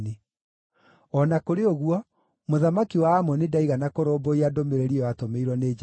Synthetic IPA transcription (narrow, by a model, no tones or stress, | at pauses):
ne | ɔnakoɾeoɣuɔ | moðamakiwaːmɔnidaiɣanakoɾoːboiadomeɾeɾiɔatomeiɾwɔned͡ʒ